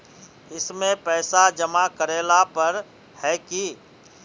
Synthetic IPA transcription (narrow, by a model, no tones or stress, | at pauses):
ɪsmẽpɛːsad͡ʒəmakəɾeːlapəɾ | hɛki